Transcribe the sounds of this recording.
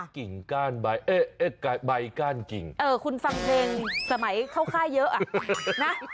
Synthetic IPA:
ki˨˩˦ŋkaː˧˩nba˧jʔe˦˧˩e˦˥ka˧˩ba˧jkaː˧˥˩nkḭ˨˩ŋʔɤː˧˩kʰu˧nfa˧ŋt̪ʰeː˧ŋsa˧˩˦ma˨˩˦jxʰa˥˩wxaː˥˩jːəː˦˥ʔaː˧˩ʔna˦˥

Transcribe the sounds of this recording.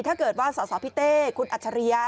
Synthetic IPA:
t̪ʰaː˥˩kɤː˨˩t̪̚waː˥˩sɔː˩˦sɔː˩˦pʰi˦˥t̪eː˥˩kʰu˧nʔa˨˩t̪̚t͡ɕʰa˧ɾi˧ɐ

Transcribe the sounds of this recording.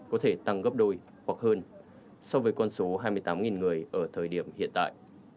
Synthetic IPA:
kɔ˨˦t̪ʰe˧˩t̪a˧ŋɣə˦˥p̚ɗo˧j | kwa˨˩k̚həː˧n | sa˧wvəː˨˦jkɔ˧nso˨˦ɦaː˧jmɨ˧jt̪aː˨˦mŋi˨˩nŋɨ˨˩əjʔəː˧˩t̪ʰəː˨˩jɗi˧˩əmhḭ˧˨ənt̪a̰ː˧˨jʔ

